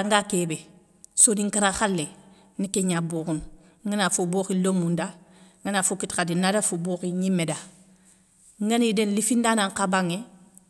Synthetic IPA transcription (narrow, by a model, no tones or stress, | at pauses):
aŋɡakebe | soniŋkaɾaxalːe | nikeɲabuːkun | ŋɡanafuboxilomːundaŋɡanafukitkadinadafuboːxiɲimːeda | ŋɡanidenlifindanaŋkabaŋe